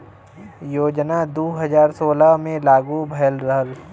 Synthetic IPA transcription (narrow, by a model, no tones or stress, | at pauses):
joːd͡ʒnad̪oːɦɐzaːɾsoːlamẽlaːɡubʱɐjəlɾəɦəl